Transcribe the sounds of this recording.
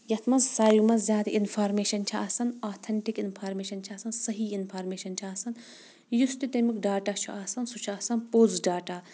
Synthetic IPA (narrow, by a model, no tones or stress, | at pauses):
jɐt̪ʰmɐzːaːjumɐzʲaːd̪ʔinfʰaːɾmeːʃɐnt͡ʃʰiaːsɐnaːt̪ʰɐɳʈikinpʰaːɾmeːʃɐnt͡ʃʰiaːsɐnsɐɦiːinpʰaːɾmeːʃɐnt͡ʃʰiaːsɐn | just̪it̪emikɖaːʈaːt͡ʃʰuʔaːsɐnsut͡ʃʰuaːsɐnpoːzɖaːʈaː